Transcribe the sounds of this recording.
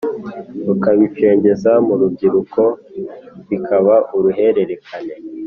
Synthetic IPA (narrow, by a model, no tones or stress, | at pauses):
βukaβit͡ʃe̞ːɲɟe̞zamuɾubɟiɾukʰo̞ | βikʰaβaʔuɾuɦe̞ɾe̞ɾe̞kʰane̞